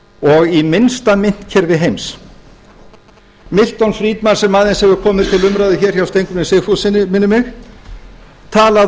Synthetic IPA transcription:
ɔɣimɪnst̪amɪn̥t̪cʰɛɾvɪɦejms | mɪl̥t̪ɔnfɾiːt̪maɾ̥sɛmːaðɪnshɛvʏɾkʰɔːmɪð̥t̪ʰɪlʏmɾaðɪçɛːɾ̥çjawst̪ejŋkʏmɪnsɪfusɪnɪmɪnːʏmɪx | t̪ʰaːla

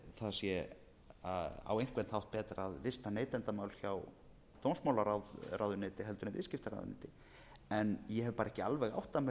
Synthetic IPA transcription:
θaðsjɛ | aða̰wejŋ̥kvɛnt̪hawht̪̚pɛːt̪ɾaðvɪst̪aneːjt̪ɛnt̪amaːwlçaw | t̪ownsmawlaɾawðrawðʏneːt̪ɪɦɛlt̪ʏɾnɪvɪ̰scɪft̪aɾa̰wðʏnɪ̰ːt̪ɪ | ɛnjɛhɛvʏpaːɾɛhcɪalvɛɣa̰wht̪ːamɛ

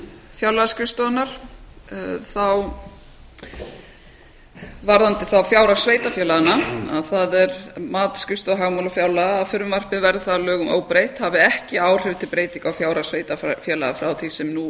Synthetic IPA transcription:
fjawlascʏst̪ɔanaɾ̥ | θaw | vaɾðant̪ɪθawfjaːwɾasveːjt̪afjɛːlaɣanaa̰ðθaðɛɾmaːt̪skʏst̪ɔaɦaɣmawlafjaːwlaɣaːfʏɾʏmvar̥pɪðvɛɾðɪθalœːɣʏmo̰ːwpɾejht̪havɪɛhcɪaːwr̥ɪvt̪ʰɪlpɾeːjt̪iŋkawfjaːwɾasveːjt̪afjɛːlaɣafɾawθisɛmnu

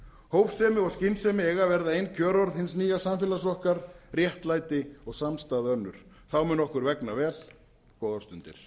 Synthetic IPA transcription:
hoːwfsɛːmɪɔɣscɪnsɛmɪeːjɣavɛɾðaejnːcʰœːɾɔɾðhɪns̬niːjasamfɛlasɔhkaɾrjɛht̪laːjt̪ɪɔɣsamst̪aːðɪœnːʏɾ̥ | θawmʏnɔhkʏɾvɛknavɛːl | kɔːðḁst̪ʏnt̪ɪ̰ɾ̥

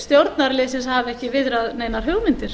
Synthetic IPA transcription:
st̪jowɾt̪naɾlɪːsɪshaːvɛhcɪvɪðɾaðneːjnaɾ̥ɦʏɣmɪnt̪ɪɾ̥

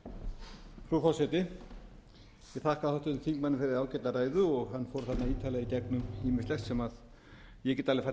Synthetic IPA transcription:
fɾufɔwsɛt̪ɪ | jɛθahkaðhawht̪ɪʏθiŋkmanːɪfɪɾɪɾaːwcɛjt̪aɾaːjðʏɔɣɦanːfowɾ̥θat̪naiːt̪ʰalɛɣicɛknʏmiːmɪst̪lɛxt̪sɛmað | jɛcɛːt̪alɪfa

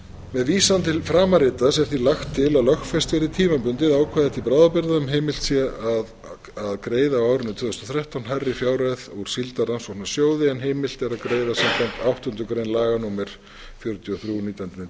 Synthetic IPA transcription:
mɛðviːsant̪ʰɪlfɾaːmaɾɪːt̪asɛɾ̥θilaxt̪ʰːɪlalœxtfɛst̪vɪɾɪɾt̪ʰiːmapʏnt̪ɪðaːwkʰvaðɪt̪ʰipɾaːwðapɪɾðaœmɦejmɪl̥t̪sjɛað | aðkɾeːjðawaːwɾʏnːʏt̪ʰvʏːðʏst̪ɔθɾɛht̪awnɦarːɪfjaːwɾɛðuɾ̥silt̪aransɔtnḁsjoːwðɪɛnɦeːjmɪl̥t̪ɛɾaðkɾeːjðasamt̪ʰamt̪awht̪ʏnt̪ʏkɾeːjnlaːɣanumɛɾ̥ | fjœɾʏt̪jʏɔθɾjuniːt̪anɪnɛ

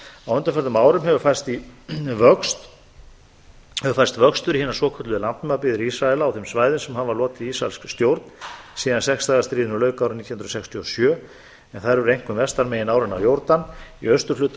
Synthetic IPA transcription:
awʏnt̪afɛɾðʏmaːwɾʏmɦɛvʏ̥faj̥st̪ivœkst̪ | hɛvʏɾfajɾst̪vœkst̪ʏɾihɪnḁswɔːkʰœt̪lʏðɪlant̪nʏmapiːðɪɾisɾaɛlaːwθɛmsvaːjðɪnsɛmhavalɔːt̪ɪisɾaɛ̰lskst̪jowɾt̪nsiːðansɛkst̪aːɣast̪ɾiːðɪnʏlœːɥkawɾʏmniːt̪jhʏnɾɔsɛkst̪ʰjiɔsjœː | ɛnθaðɾvʏɾejŋ̥kʏmvɛst̪aɾmeːjɪnaːwɾɪnawjowɾt̪aniœst̪ʏɾ̥lʏːt̪

